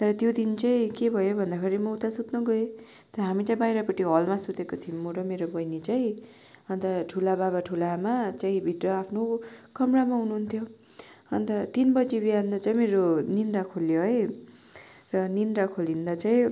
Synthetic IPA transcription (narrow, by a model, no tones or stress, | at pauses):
t̪ʌɾʌt̪jod̪int͡saĩkebʱʌjobʱʌnd̪akʰeɾimʌwut̪asut̪nʌɡʌe | t̪ʌɾʌɦamit͡saĩbajɾapʌʈːiɦʌlmasut̪ekot̪ʰimːoɽʌmeɾobʌjnit͡saĩ | ʌnt̪ʌʈʰulabaβaʈʰulamat͡saĩbʱiʈrʌapʰnokʌmramaɦunuɦunt̪ʰjo | ʌnt̪ʌt̪inbʌd͡zibijand̪ʌt͡saĩmeɾoninrakʰoljoɦʌj | rʌninrakʰolind̪at͡saĩ